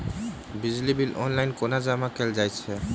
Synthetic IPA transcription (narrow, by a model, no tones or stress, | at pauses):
bid͡ʑlibilʔɔnlajnkonad͡ʑamakeld͡ʑajt͡ɕʰe